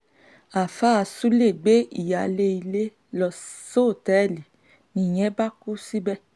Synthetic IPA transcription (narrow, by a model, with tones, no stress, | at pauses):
a˨fa˦˧su˦le˦˨ɡ͡be˦ḭ˨ja˨le˦i˧le˦ | lɔ˧so˦˨tɛ˦˨li˨ | nĩ˧˨j̃ɛ̃˨˦ba˦ku˦si˦bɛ˦